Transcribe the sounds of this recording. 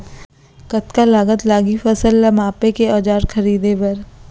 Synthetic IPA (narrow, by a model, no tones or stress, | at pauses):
kɐt̪kalaːɡət̪laːɡifɐsəlːamaːpekeɔːd͡ʒaːɾxʰɐɾiːd̪ebɐɾ